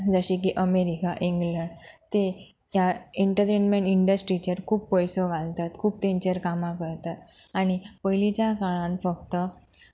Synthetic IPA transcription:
d͡zəɕĩk̬iʔəmeɾikaʔiŋɡləɳɖt̪e | jaiɳʈəɾʈenmeɳʈiɳɖəsʈɾit͡ɕeɾkʰuːbpɔjsoɡʱalt̪at̪kʰuːb̚t̪ẽɲt͡ɕəɾkamãkəɾt̪at̪aɽ̃ipəjlit͡ɕjakaɭãnfəkt̪ə

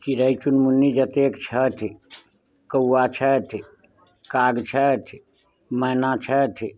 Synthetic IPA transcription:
kiɾəjt͡ʃunmunːid͡ʒət̪ekt͡ʃʰət̪ʰi | kəwːat͡ʃʰət̪ʰi | kaɡt͡ʃʰət̪ʰi | məɦnat͡ʃʰət̪ʰi

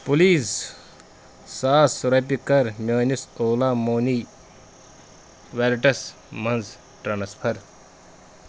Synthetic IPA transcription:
puliːz | saːsɾɐp̬ikɐɾmʲeːnisoːlaːmoːniː | ʋeɾʈɐs | mɐnz | ʈɾanɐspʰɐɾ

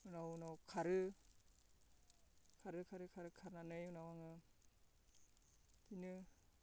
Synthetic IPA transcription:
ɯnawnawkʰaɾɯ | kʰaɾɯkʰaɾɯkʰaɾɯkʰaɾnanɯjunawaŋɯ | tinɯ

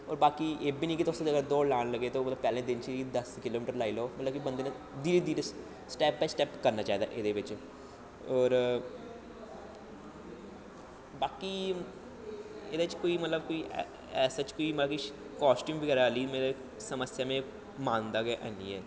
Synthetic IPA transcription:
ɔːɾbaːkiːʔeːbiːniːkɪt̪ost̪ːeəɡəɾd̪oːlaːnləɡeːt̪oːmət̪ləbpɛːlẽːd̪ɪnt͡ʃʰid̪əskɪloːmɪːʈəɾlaːiːloːmət̪ləbkibənd̪eːnː | d̪iːɾed̪iːɾe | sʈɛːpːɛːsʈɛːpkəɾnaːt͡ʃaːiːd̪a̰ːʔɪd̪eːʋɪt͡ʃ | ɔːɾ | baːki | ɪd̪eːɪt͡ʃkoːiːmət̪ləb̚koːiː | ɛːsaːt͡ʃkoːiːmaki | kaːsʈuːmʋəɡɛːɾaaliːmeːɾe | səməsjaːmẽː | maːnd̪aːɡeːʔa̰niːɛː

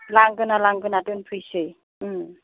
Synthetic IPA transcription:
laŋɡɯnalaŋɡɯnatɯnpʰɯjsɯj

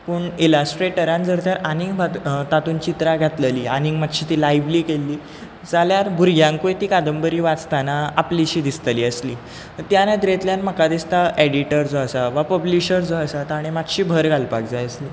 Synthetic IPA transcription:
puɳilasʈɾeʈəɾãnd͡zəɾt̪jaɾaniŋɡbʱat̪at̪unt͡ɕit̪ɾaɡʱat̪ləliːaniŋɡmat̪ɕiːt̪iːlajʋliːkelːiː | d͡zaljaɾbʱuɾɡjãŋkojt̪iːkad̪əmbəɾiːʋat͡st̪anaapliɕiːd̪ist̪əliːəsliː | t̪janə̃d̪ɾet̪ljanməkad̪ist̪aʔeɽiʈəɾd͡zoəsaʋapəbliɕəɾd͡zoasat̪aaɽ̃imat̪ɕiːbʱəɾɡʱalpakd͡zajəsliː

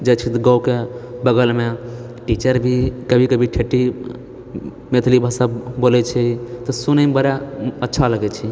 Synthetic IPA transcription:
d͡ʒet͡ʃʰit̪ɡəwkebəɡəlme | ʈit͡ʃəɾbʱikəbʱikəbʱiʈʰeʈːi | met̪ʰlibʱəsabolɛt͡ʃʰɛt̪ɔsunəmbəɾaətːʃʰaləɡɛt͡ʃʰi

